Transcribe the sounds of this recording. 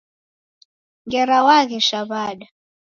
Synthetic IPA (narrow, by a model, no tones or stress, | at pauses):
ŋɡɛɾawakɛʃaβaɗa